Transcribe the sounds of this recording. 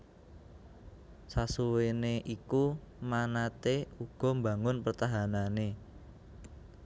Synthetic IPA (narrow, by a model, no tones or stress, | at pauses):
sasuweneʔikumanat̪euɡ̥ɔ̤mbaŋʊnpərt̪aɦanane